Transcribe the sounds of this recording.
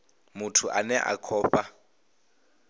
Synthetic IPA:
mʊtʰʊʔanɛʔa̰kʰɔːpʼa

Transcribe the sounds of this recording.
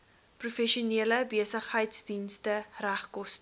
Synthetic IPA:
prufɛʃiuniələbiəsəχəjtsdinstəræχkɔst

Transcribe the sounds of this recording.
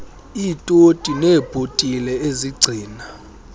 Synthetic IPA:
iːtʼotʼinɛːb̥ʱotʼilɛeziɡ͡ǀʱiːna

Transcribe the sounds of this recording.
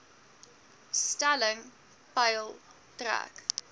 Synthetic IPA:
stalə̃ŋ | baɪlˠ | tɾa̰k

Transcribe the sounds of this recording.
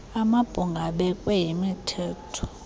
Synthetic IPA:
amab̥ʱuŋɡʱaɓɛkʼwɛjimitʰɛːtʰɔ̥

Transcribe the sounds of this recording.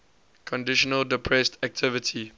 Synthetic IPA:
kʰɔ̃ndɪʃɔnəldəpʰɹɛstʰæk̚tʰɪvɪtʰi

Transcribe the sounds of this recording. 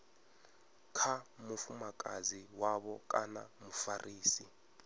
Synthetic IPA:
kʰamufumakʼaziwaβɔkʼa̰namufarʔiːsi

